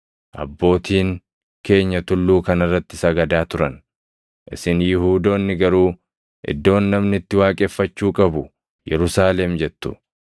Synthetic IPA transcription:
ʔɐ̰bːo̞ːt̪ʰiːŋ | ke̞ːɲːɐt̪ʊlːuːkɐnɐrːɐt̪ːɪsɐɡɐd̪aːt̪ʊɾɐn | ʔɪ̰sɪnjɪhuːd̪o̞ːnːɪɡɐɾuː | ʔɪ̰d̪ːo̞ːnːɐmnɪt̪ːɪwaːkʼɛfːɐt͡ʃːuːkʼɐbʊ | jɛ̰ɾʊsaːlɛmd͡ʒɛt̪ːʊ̥̰

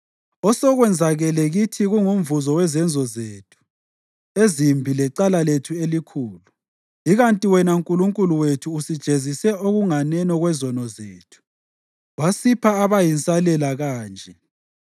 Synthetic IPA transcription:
ɔsɔɣwɛnd͡zʱaɣɛlɛɣitʰiɣuŋum̩vuzɔwɛzɛnd͡zʱɔzeːtʰu̥ | ezimbʱilɛǃalaletʰuelikʰuːlu | iɣantʼiwɛnauŋkʼuluŋkʼuluwetʰuːsid̥ʒ̥ʱezisɛoɣuŋanɛnɔɣwɛzɔnɔzeːtʰu̥ | wasipʰaːβajint͡sʼalɛlaɣaːnd͡ʒʱɛ

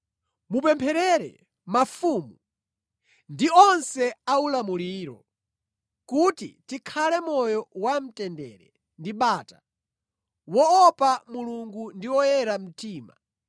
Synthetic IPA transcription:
mupɛmpʰɛɾɛɾɛ̰ | mafumu | ndiɔnsɛaulamuliːɾɔ̰ | kutḭtikʰalɛmɔjɔwam̩tɛndɛɾɛ̰ | ndiɓaːta | wɔːpamuluŋɡundiwɔjɛɾam̩tiːma̰

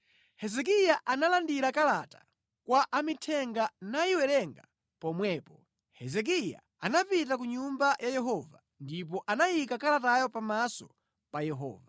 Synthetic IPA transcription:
hɛzɛk̬ijaʔanalandiɾakalata | kwaʔamitʰɛŋɡanaiwɛɾɛŋɡa | pɔmwɛːpɔ | hɛzɛk̬ija̰ | anapitak̬uɲumbajajɛɦɔva | ndip̬ɔʔanajikakalatajɔpamasɔ | pajɛɦɔ̰ːva

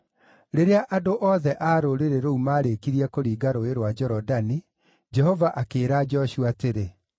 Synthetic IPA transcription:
ɾeɾeaʔadoʔɔðɛʔaːɾoɾeɾeɾoumaːɾekiɾiɛkoɾiːɡaɾoeɾwad͡ʒɛɾɔdani | d͡ʒɛhɔvaʔakeːɾaːd͡ʒɔɕuateɾe

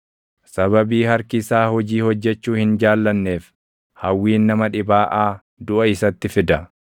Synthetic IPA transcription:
sɐβɐbiːhɐɾkɪsaːhɔd͡ʒiːhɔd͡ʒːɛt͡ʃːuːhɪnd͡ʒaːlːɐnːe̞ːf | hɐwːiːnːɐmɐᶑɪbaːʔaː | d̪ʊʔɐɪsɐt̪ːɪfɪd̪ɐ

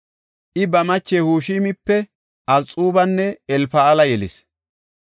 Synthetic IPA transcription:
ʔɪbɐmɐt͡ʃːɛhuːʃiːmɪpːɛ | ʔɐlt͡sʼuːbɐnːɛɛlfɐɐlɐjɛlɪ̰s

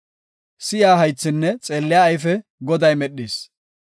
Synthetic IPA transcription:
sɪjaːɦɐjt͡sːɪnːɛt͡sʼeːlːɪjaːjfɛɡɔd̪ɐjmɛɗːiːs

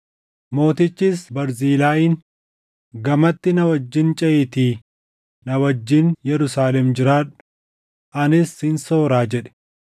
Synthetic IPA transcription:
mo̞ːt̪ɪt͡ʃːisbɐɾziːlaːjɪːn | ɡɐmɐt̪ːɪnɐwɐd͡ʒːɪnt͡ʃʼɛʔɪt̪iː | nɐwɐd͡ʒːɪnjɛɾʊsaːlɛmd͡ʒɪɾaːᶑʊ̥ | ʔɐnɪshɪnso̞ːɾaːd͡ʒɛᶑɛ̥

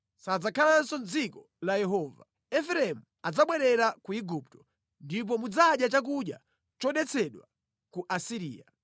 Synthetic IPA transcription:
sad͡zakʰalansɔnd͡zikɔ | lajɛɦɔva | ɛfɾɛmu | ad͡zaɓwɛɾɛɾakuiɡup̚tɔ̥ | ndip̬ɔmud͡zaɗjat͡ʃak̬uɗja | t͡ʃɔɗɛt͡sʰɛɗwa̰ | kuʔasiɾḭːa

